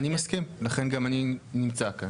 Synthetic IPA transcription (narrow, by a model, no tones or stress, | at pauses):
nimaskimlaχe̞nɡamaninimt͡saka